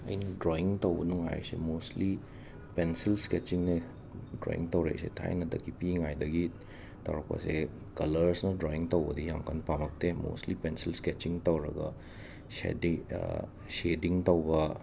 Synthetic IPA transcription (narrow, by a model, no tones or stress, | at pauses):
ɐ̰jnɐdɾoiŋtɐwbɐnuŋa̰j̰sḛmostli | pensilsket͡ʃiŋne | dɾo̰ḭŋtɐwɾḛsetʰa̰jnɐdɐkːipiŋajdɐɡi | tɐ̰wɾɐk̚pɐ̰se | kɐlɐɾsnɐdɾoiŋtɐwbɐdijamkʰɐnpamɐk̚temo̰stlipensilsket͡ʃiŋtɐwɾɐ̰ɡɐ̰ | sḛdi | sediŋtɐwbɐ